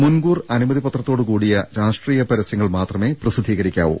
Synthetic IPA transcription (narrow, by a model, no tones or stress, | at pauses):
munɡuːrɐnumɐðipɐt̪rɐt̪ːoːɽɨkuːɽijɐɾaːʂʈriːjɐpɐɾɐsjɐŋːɐɭmaːt̪rɐme̞ːprɐsid̪ʱːiːɣɐɾikʲːa̰ːʋṵ